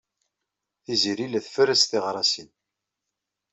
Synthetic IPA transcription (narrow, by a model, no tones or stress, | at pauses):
θiziɾilæθfəɾæst̪iʁɾˤɑsin